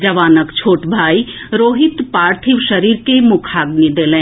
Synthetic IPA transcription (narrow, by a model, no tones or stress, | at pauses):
d͡ʒɐʋaːnəkt͡ʃʰoːʈbʱaːi | ɾoːɦɪt̪paːɾt̪ʰiʋʃɐɾiːɾkemʊkʰaːɡnid̪eːlẽː